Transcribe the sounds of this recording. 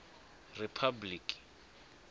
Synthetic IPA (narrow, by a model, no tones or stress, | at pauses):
ripʰabliːkʼi̥